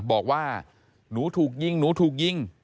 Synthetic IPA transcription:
ɓɔː˨˩k̚waː˧˩ | nuː˨˦˥t̪ʰuː˨˩k̚ji˧˩ŋnu˨˩˦t̪ʰuː˨˩k̚ji˧˩ŋ

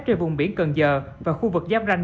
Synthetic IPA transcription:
t͡ɕe˧nvʊ˨˩ŋ͡mɓi˧˦ənkə˨˩nzəː˨˩vaː˨˩xu˧vɨ˨˩k̚zaː˦˥p̚za˧ŋ

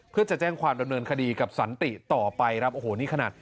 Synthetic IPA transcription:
pʰɯ˥˩ɐt͡ɕa˨˩t͡ɕɛː˥˩ŋkʰwaː˧mda˧mnɤː˧nkʰa˧diː˧ka˨˩p̚sa˩˦nt̪i˨˩t̪ɔː˨˩pa˧jɾa˦˥p̚ʔoː˧˩hoː˩˦niː˥˩kʰnaː˨˩t̪̚

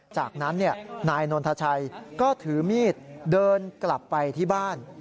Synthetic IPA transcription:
t͡ɕaː˨˩k̚na˦˥nːi˥˩ɐnaː˧jno˧nt̪ʰa˧t͡ɕʰa˧jkɔː˥˩t̪ʰɯː˩˦miː˥˩t̪̚dɤː˧nkla˨˩pːa˧jt̪ʰiː˥˩baː˥˩n

